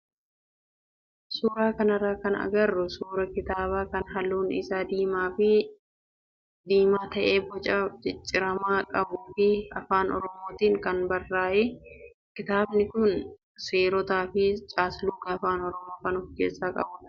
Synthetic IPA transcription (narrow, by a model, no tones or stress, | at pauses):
suːɾaːkɐnɐraːkɐnɐ̰ɡɐrːʊsuːɾɐkɪt̪aːbaːkɐnɦɐluːnɪ̰saːd̪iːmaːfɪ | d̪iːmaːt̪ɐʔe̞ːbɔt͡ʃʼɐd͡ʒɪt͡ʃʼːɪɾɐmaːkʼɐbuːfɪɐfaːnɔ̰ɾɔmoːt̪iːŋkɐnbɐrːaːʔeː | kɪt̪aːbnɪkʊn | seːɾɔt̪aːfɪt͡ʃʼaːslʊɡɐːfaːnɔɾɔmo̞ːkɐnʊfkeːsːaːkʼɐ̰bʊ